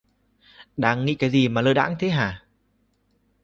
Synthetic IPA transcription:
ɗaː˧ŋːḭ˧˥kaː˨˦jzi˨˩maː˨˩ləː˧jɗa̰ː˧˥ŋt̪ʰe˨˦ɦaː˨˩

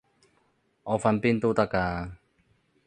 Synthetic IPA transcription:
ʔɔ˨fa˧npint̪ut̪a˧ka˧

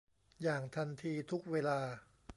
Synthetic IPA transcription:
jaː˨˩ŋt̪ʰa˧nt̪ʰiː˧t̪ʰu˦˥k̚weː˧laː˧

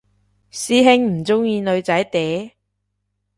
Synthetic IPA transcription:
siː˧ɦɪ˧ŋm̩˨˩t͡sʊ˥ŋjiː˧nɵ˨˧ɥt͡sɐ˨˥jt̪e˨˥j

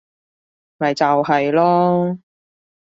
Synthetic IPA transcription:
mɐ˨˩jt͡sɐ˨wɦɐ˨jlɔː˥

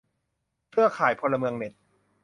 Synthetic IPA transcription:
kʰɯ˥˩ɐkʰaː˩˦jpʰo˧lːa˧mɯ˧əŋne˨˩t̪̚

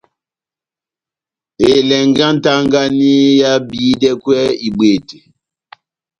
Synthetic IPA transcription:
e˨lɛ˨ŋɡa˦n˦ta˦ŋɡa˦ni˦ja˦biː˨˦dɛ˦kwɛ˦i˨ɓwe˨te̥˨

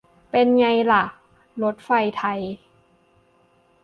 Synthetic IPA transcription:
pe˧nɲa˧jla˨˩ʔ | lo˧˦˥t̪̚fa˧jt̪ʰa˧j

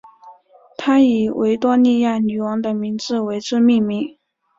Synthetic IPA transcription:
t̪ʰa˥i˨˩wʔe˧˥ɪt̪wɔ˥ni˥˧ja˥˩ny˨˩wɑ˧˥ŋd̪ə˨mi˧˥ŋt͡sɹ̩˥˩we˧˥ɪʈ͡ʂɻ̩˥˧mi˥˧ŋmi˧˥˩ŋ

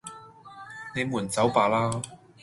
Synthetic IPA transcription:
ne˨˧jmuː˨˩nt͡sɐ˨˥wpaː˨˧laː˥

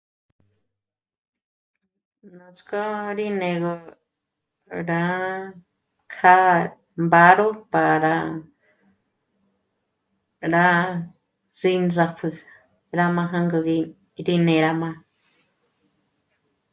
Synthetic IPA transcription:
nõ˨t͡sko˦ɾi˦nẽ˨ɣo˧ | ɾa˦ | kʰa˦ | mba˦ɾo˦pa˨ɾa˧ | ɾa˦ | zi˧nd͡za˧pʰɨ˧ | ɾa˧mã˧ɦã˦ŋɡo˧ɣi˧ | ɾi˦nẽ˨ɾa˧mã˧

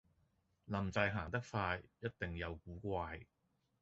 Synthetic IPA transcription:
lɐ˨˩mt͡sɐ˧jɦaː˨˩ŋt̪ɐ˥k̚faː˧jjɐ˥t̚t̪ɪ˨ŋjɐ˨˧wkuː˨˥kʷaː˧j

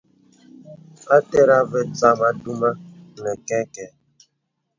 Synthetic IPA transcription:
a˦te˦ɾa˦vɛ˦t͡sa˦ma˦du˦ma˦nɛ˨kɛ˦kɛ˨

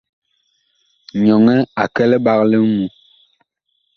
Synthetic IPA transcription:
ɲɔ˨ŋɛ˦a˨kɛ˦lɛ˦ba˦klɛ˦ŋu˦

